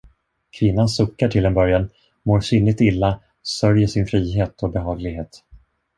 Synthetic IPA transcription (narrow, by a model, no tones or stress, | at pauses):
kʰvɪnːansʊkːaʈʰɪlɛnbœɾjan | moːɾʂʏnɪt̪ɪlːa | sœɾjəʂɪnfɾiːɦeːt̪ʰɔbɛɦɑːɡlɪɡɦeːt̪